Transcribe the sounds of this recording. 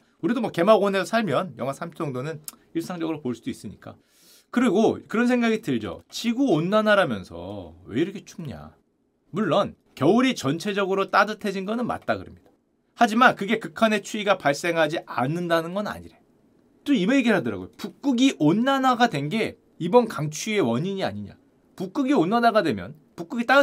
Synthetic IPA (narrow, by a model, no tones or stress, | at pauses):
uɾidomwʌke̞maɡʌnesʰosʰaɭmjʌnjʌŋɦasʰamʰd͡ʑʌŋdonɯn | iɭs͈aŋd͡ʑʌɡɯɾopoɭs͈ud̥ois͈ɯɲik͈a̰ | kɯɾiɡokɯɾʌnsʰe̞ŋɡaɡitɯɭd͡ʑo̰t͡ɕiɡuonːanaɾamjʌnsʰʌ̰weiɾʌkʰe̞t͡ɕʰumɲa̰ | muɭːʌn | kjʌuɾit͡ɕʌnt͡ɕʰe̞d͡ʑʌɡɯɾot͈adɯtʰe̞d͡ʑinɡʌnɯnma̰t̚t͈aɡɯɾʌmɲid̥ḁ | had͡ʑimankɯɡe̞kɯkʰane̞t͡ɕʰuiɡapaɭs͈e̞ŋɦad͡ʑiʔa̰nːɯndanɯnɡʌna̰ɲḭɾe | t͈oimejeɡiɭɦadʌɾa̰ɡojopuk̚k͈uɡiʔonːanaɡadwe̞nɡe̞ | ibʌnkaŋt͡ɕʰie̞wʌɲiɲia̰ɲiɲa̰ | puk͈uɡionːanaɡadwe̞mjʌn | puk͈uɡit͈a